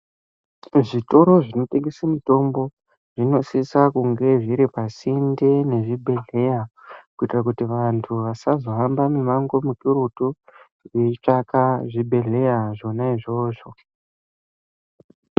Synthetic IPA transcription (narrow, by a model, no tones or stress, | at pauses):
ʐito̞ɾo̞ʐino̞te̞ŋɡesamito̞mbo̞ | ʐ̥ino̞sisakuŋɡe̞ʐiɾipasinde̞ne̞ʐibʱe̞ɮe̞jakuitirak̬utiʋantʰuʋasazo̞ɦambamumaŋɡo̞mukiɾutu | reit͡ʂakaʐibʱe̞ɮe̞jaʐo̞naiʐo̞ːʐo̞